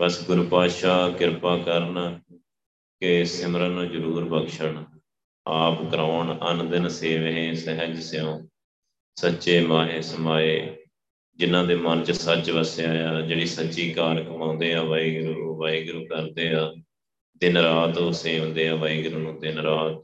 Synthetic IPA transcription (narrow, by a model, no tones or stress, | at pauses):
bəsɡʊɾupaːʃaːkɪɾpaːkəɾən | kɪsɪmɾənãːd͡ʒəɾuːɾbəkʃəɳ | aːpɡɾaːɳənd̪ɪnseːʋeɦẽːsɛɦəd͡ʒsɪõː | sətːʃeːmaːɦeːsəmaːeː | d͡ʒɪnãːd̪eːmənt͡ʃsət͡ʃʋəsaːaːd͡ʒeːɽiːsəʃiːkaːɾkəmãːnd̪eːaːʋaːiːɡɾuːʋaːiːɡɾuːkəɾd̪eːaː | d̪ɪnɾaːt̪oseːɦʊ̃nd̪eːaːʋaːiːɡɾuːnũːd̪ɪnɾaːt̪̚